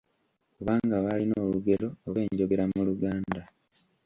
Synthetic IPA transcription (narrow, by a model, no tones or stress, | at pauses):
kuβaːŋɡaβalinoːluɡe̞lo̞ːβe̞ːɲɟo̞ɡe̞ɾamuluɡaːnda